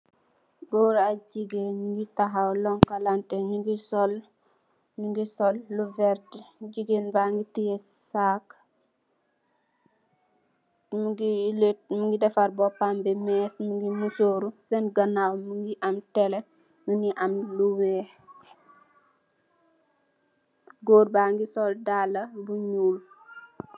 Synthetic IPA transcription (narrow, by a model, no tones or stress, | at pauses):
bɔːɾaɟiɡenŋɡitaɦawlɔŋkalantɛnuɡisɔl | nuŋɡisɔlːuvɛɾdɟiɡenbaŋɡitijɛsak | mɡilemuŋɡidɛfaɾbɔpambɛmɛsmuŋɡimusoɾusɛnɡɐnawmuŋɡiʔamtɛlɛ | muŋɡiʔamluwɛː | ɡoːɾbaŋɡisɔldalɐbuɲul